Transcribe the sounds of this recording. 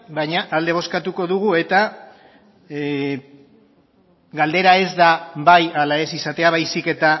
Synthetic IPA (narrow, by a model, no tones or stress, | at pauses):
baɲaʔald̪e̞β̞o̞skat̪uko̞ðuɣue̞t̪a | ɡald̪e̞ɾae̞zd̪abajalae̞sisat̪e̞aβajsike̞t̪a